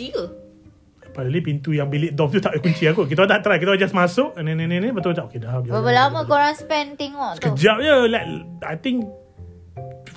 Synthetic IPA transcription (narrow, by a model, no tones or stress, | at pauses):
i | padəlipint̪ujaŋbiliʔ̚d̪ɔf̚t̪ut̪aʔəkuɲt͡ʃiakukit̪ad̪at̪ɾajkit̪aad͡ʒasmasʊʔnẽnẽnẽnĩbat̪ut̪aʔokedad͡ʒbəbəlaməkoɾaŋspɛnt̪eŋɔʔsə̥kəd͡ʒap̚jəlakajt̪iŋk